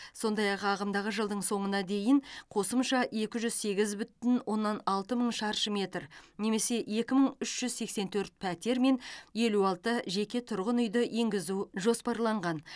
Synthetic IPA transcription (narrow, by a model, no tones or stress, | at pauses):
so̞nd̪ɑjɑqɑʁəmd̪ɑʁəʒəlˠd̪əɴso̞ɴənɑd̪e̞jɪɴqʰo̞səmʃɑe̞kʲɪʒʏzse̞ɡʲɪzbʏt̪ɪnwʔo̞nːɑnɑlˠt̪əməɴʃɑɾʃəme̞t̪rne̞me̞se̞e̞kʲɪməɴʏʃʒ̥ʏzse̞kse̞nt̪ʰɵɾt̪̚pʰæt̪e̞ɾme̞nje̞luɑlˠt̪əʒe̞kʲe̞t̪ʰʊɾʁənʏjd̪əje̞ŋɡʲɪzuʒo̞spɑɾlˠɑɴʁɑn